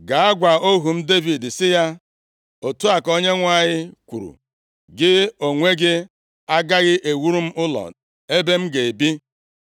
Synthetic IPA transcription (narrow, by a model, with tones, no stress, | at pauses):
ɡa˨a˦ɡʷa˨o˦ɦu˨m̩˦de˦vi˨dsɪ˦ja˦ | o˨tu˦a˨ko˦ɲe˦ŋʷa˦˨ɲɪ˦kʷṵ˨ɾṵ˨ | ɡɪ˦o˨ŋʷe˦ɡɪ˦ | a˦ɡa˦ɣɪ˦ʔe˨wu˦ɾu˦m̩˦ʔʊ˦lɔ̰˨ | e˦be˦m̩˦ɡe˨e˨bi˦